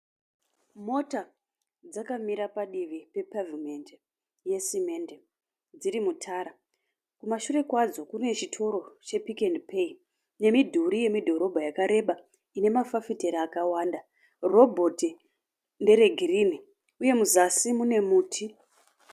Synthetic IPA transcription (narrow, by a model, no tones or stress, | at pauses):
mo̞ta | d͡zakamiɾapaɗiʋipe̞pavimende | je̞sime̞nde | d͡ziɾimutʰaːɾa | kumaʃure̞kwad͡zo̞kune̞t͡ʃitʰo̞ɾo̞t͡ʃe̞pikendpʰei | ne̞midʱuɾije̞midʱo̞ɾo̞bʱajakaɾe̞ɓa | ine̞mafafiteɾaːkawaːnda | ro̞bʱoti | nde̞ɾe̞ɡʱirini | uje̞muzasimune̞muːtʰi